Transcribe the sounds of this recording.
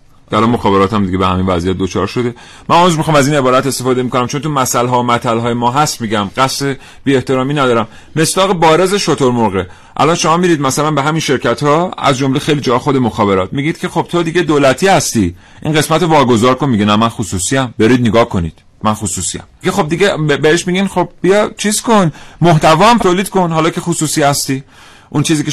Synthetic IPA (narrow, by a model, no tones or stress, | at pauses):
eælɒnmoxɒːbe̞ɾɒːt̪æmd̪iɟe̞behæminvæzijæt̪̚d̪ot͡ʃʰɒ̰ːɾʃo̞d̪e | mʔænuzmixɒːmæziːne̞bɒːɾæt̪e̞st̪efɒːd̪emiko̞næmt͡ʃʰo̞nt̪umæsælɦɒːomæt̪ʰælɦɒːjemɒːɦæst̪miɟæmɢæst̪e | b̥iːe̞ht̪e̞ɾɒːmiːnæd̪ɒːɾæmːe̞sd̪ɒːɣebɒːɾezeʃot̪ʰoɾmoɾɣe | ʔæ̰lɒːnʃo̞mɒːmiɾiːd̪̚mæsælænbeɦæminʃe̞ɾcʰæt̪hɒːæ̰zd͡ʒomlexejlid͡ʒɒːxo̞d̪emoxɒːbe̞ɾɒːt̪̚miɟiːd̪̚cʰe̞xo̞b̥̚t̪ʰod̪iɟe̞d̪oːlæt̪ʰiːhæst̪i | ʔḭnɢe̞smæt̪ovɒːɡo̞zɒːɾkonmiɟʲenæmænxusuːsiæmbeɾid̪̚neɡɒːhkʰo̞nḭːd̪̥ | mænxusuːsijæ̰mkʰexo̞b̚d̪iɟebeheʃmiɡinxob̚bijɒt͡ʃʰiːzkonmoht̪ʰævɒːæmt̪ʰoːliːd̪̥ko̞nɦɒːlɒːkʰe̞xusuːsiːhæst̪iː | ʔunt͡ʃʰiːziːkʲe